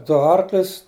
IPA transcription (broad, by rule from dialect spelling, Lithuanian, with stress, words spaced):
ˈdʊ ˈɐrklʲʊs